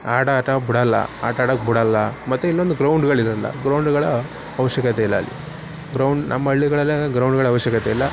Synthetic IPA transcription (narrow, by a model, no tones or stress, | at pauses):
aːʈaaːʈɐbuɽɐlːɐ̰a̰ːʈaːʈɐk̚buɽɐlːɐmɐt̪ːuilːond̪uɡɾɐwɳɖɡɐɭiɾɐlːɐ̰ɡɾɐwɳɖɡɐɭɐ | ɐʋɐʃjɐkɐt̪eilːɐːlːḭ | ɡɾɐwɳɖnʔɐ̰mːɐɐɭːiɡɐɭɐlːeɡɾɐwɳɖɡɐɭɐʋɐɕjɐkɐt̪eilːɐ